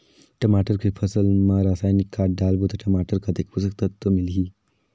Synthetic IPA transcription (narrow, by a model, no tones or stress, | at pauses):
ʈəmaʈəɾkʰəpʰəsəlmaɾasaːjnikːaʈ̚ɖalbut̪ɐʈəmaʈəɾkɐt̪ekpusək̚t̪ət̪ːomilɦi